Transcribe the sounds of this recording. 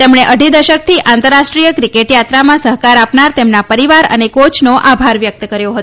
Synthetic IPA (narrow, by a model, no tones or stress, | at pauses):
t̪emɳeʔəɖʱid̪əʃək̚t̪ʰiʔʔãnt̪əɾaʃʈɾijəkɾikeʈjat̪ɾamãsəɦkaɾapnaɾt̪emnapəɾiʋaɾə̰nekot͡ʃnoʔabʱaɾʋjək̚t̪əkəɾjoɦət̪o̥